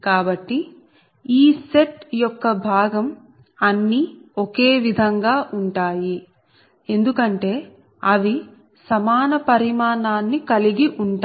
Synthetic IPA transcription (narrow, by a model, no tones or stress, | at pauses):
kaːbɐʈːi | iːse̞ʈjɔkːɐbʱaːɡɐm | ɐnːiokeːʋid̪ʱɐŋɡaːʔuɳʈaːji | e̞nd̪ukɐɳʈe̞ː | ɐʋi | sɐmaːnɐpɐɾimaːnaːnːikɐliɡiʔuɳʈː